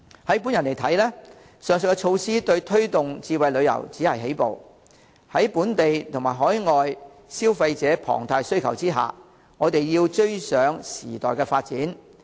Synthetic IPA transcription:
hɐ˨˥jp̬uː˨˥njɐ˨˩nle˨˩jt̪ʰɐ˨˥jlɛː˥ | sœː˨ŋsɵ˨˧˩kːɛ˧t͡ʃʰo˧wsiː˥t̪ɵ˧ɥt̪ʰɵ˥ɥt̪ʊ˨ŋt͡siː˧wɐ˨˧jlɵ˨˧ɥjɐ̰˨˩wt͡siː˨˥hɐ˨jɦe˨˥jpo̰˨w | hɐ˨˥jpuː˨˥nt̪e˨jt̪ʰʊ˨˩maː˨˩ɦɔː˨˥jŋɔː˨j | siː˥wfɐ˧jt͡sɛː˨˥pʰɔ̰ː˨˩ŋt̪ʰaː˧jsɵ˥ɥkʰɐ˨˩wt͡siː˥ɦa̰ː˨ | ŋɔː˨˧t̪e˨jjiː˧wt͡ʃɵ˥ɥsœː˨˥ŋsḭː˨˩t̪ɔ̰ː˨˩jkɛː˧faː˧t̚t͡siː˨˥n

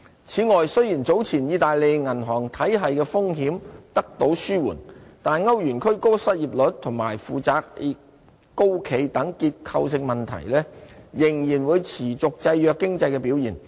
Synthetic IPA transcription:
t͡sʰiː˨˥ŋɔː˨jsɵ˥ɥjiː˨˩nt͡so˨˥wt͡sʰiː˨˩njiː˨˧t̪aː˨jle˨˧jŋɐ˨˩nɦɔː˨˩ŋt̪ʰɐ˨˥jɦɐ˨jkɛː˧fʊ˥ŋɦiː˨˥mt̪ɐ˥k̚t̪o˨˥wsyː˥wuː˨˩nt̪aː˨nŋɐ˥wjyː˨˩nkʰɵ˥ɥko˥wsɐ˥t̚jiː˨p̚lɵ˨˥t̚t̪ʰʊ˨˩ŋma̰ː˨˩jfuː˨˩t͡saː˧k̚i˨˧ | ko˥wkʰe˨˧jt̪ɐ˨˥ŋkiː˧t̚kʰɐ˧wsɪ˧ŋmɐ˨˩nt̪ʰɐ̰˨˩jlɛː˥jɪ˨˩ŋjiː˨˩nwuː˨˧jt͡sʰiː˨˩t͡sʊ˨k̚t͡sɐ˧jːœː˨˧kːɪ˥ŋt͡sɐ˧jkɛː˧piː˨˥wjiː˨˩n

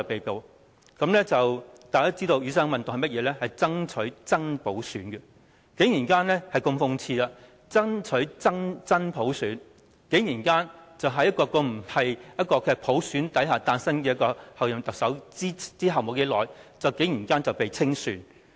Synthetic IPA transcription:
ɐ˨pe˨jpo˨w | kɐ˨˥mlɛː˥t͡sɐ˨wt̪aː˨kaː˥t͡siː˥t̪o˧wjyː˨˧sɐː˥ŋmɐ˨nt̪ʊ˨ŋhɐ˨mɐ˥t̚jɛː˨˧lɛː˥hɐ˨jt͡sɐ˥ŋt͡ʃʰɵ˨˥ɥt͡sɐ˥ŋpo˨˥wsyː˨˥nkɛ˧ | ke˨˥jiː˨˩nkaː˥nlɛː˥hɐ˨jkʊ˧ŋfʊ˧ŋt͡sʰiː˧laː˧ | t͡sɐ˥ŋt͡ʃʰɵ˨˥ɥt͡sɐ˥ŋt͡sɐ˥npʰo˨˥wsyː˨˥n | ke˨˥jjiː˨˩nkaː˥nt͡sɐ˨wɦɐ˧jɐ˥t̚kɔː˧kɔː˧m̩˨˩hɐ˨jjɐ˥t̚kɔː˧kʰe˧˨˩pʰo˨˥wsyː˨˥nt̪ɐ˨˥jɦaː˨˩t̪aː˧nsɐ˥nkɛː˧jɐ˥kːɔː˧hɐ˨wjɐ˨mt̪ɐ˨k̚sɐ˨˥wi˥t͡siː˥ɦɐ˨wmo˨˩wke˨˥lɔː˨˩jt͡sɐ˨wke˨˥jiː˨˩nkaː˥nt͡sɐ˨˩wpe˨jt͡sʰɪ˥ŋsyː˨˥n

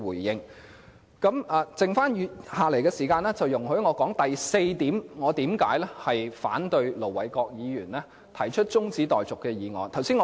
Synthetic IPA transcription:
uː˨˩jːɪ˧ŋ | kɐ˨˥mʔaː˨t͡sɪ˨ŋfaː˥njyː˧haː˨le˨˩jkɛː˧siː˨˩kaː˧nɛː˥t͡sɐ˨wjʊ˨˩ŋɦɵ˨˥ɥŋɔː˨˧kɔː˨˥ŋt̪ɐ˨jse˧jt̪iː˨˥mŋɔː˨˧t̪iː˨˥mka̰ː˨˥jlɛː˥hɐ˨jfa̰ː˨˥nt̪ɵ˧ɥlo˨˩wɐ˨˩jkɔː˧k̚jiː˨˧jyː˨˩nlɛː˥ | t̪ʰɐ˨˩jt͡ʃʰɵ˥t̚t͡sʊ˥ŋt͡siː˨˥t̪ɔː˨jt͡sʊ˨kːɛː˧jiː˨˧ŋɔ̰ː˨˩nt̪ʰɐ˨˩wsiː˥nŋɔː˧

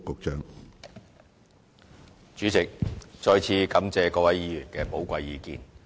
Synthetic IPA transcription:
kːʊ˨˧k̚t͡ʃœː˥ŋ | t͡ʃyː˨˥t͡sɪ˨k̚t͡ʃɔː˧jt͡sʰiː˨˥kɐ˨˥mt͡sɛː˧kɔː˧kwɐ˨˥jiː˨˧jyː˨˩nkɛː˧po˨˥wkʷɐ˧jːiː˨˧kḭː˨˧n

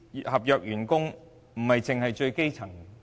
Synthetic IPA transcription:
hɐ˨p̚jœː˨k̚jyː˨˩nkʊ˥ŋ | m̩˨˩hɐ˨jt͡sɪ˨ŋhɐ˨jt͡ʃɵ˧ɥke˥jt͡sʰɐ˨˩ŋ

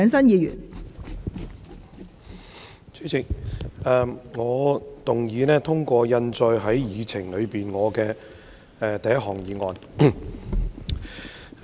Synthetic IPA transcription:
œː˨˧ŋsɐ˥njiː˨˧jy̰ː˨˩n | t͡sʰy˨˥t͡sʰɪ˨˩k̚ɛː˨˧mŋɔː˨˧t̪ʊ˨˩ŋjiː˨˧nɛː˥t̪ʰʊ˥ŋkʷɔː˧jɐ˧nt͡sɔː˧jɦɐ˨˥jjiː˨˧t͡sʰɪ˨˩ŋlɵ˨˧ɥpiː˨nŋɔː˨˧kɛː˧ | ɛ˨˧t̪ɐ˨jɐ˥ʔ̚ɦɔː˨˩ŋjiː˨˧ŋɔː˧n

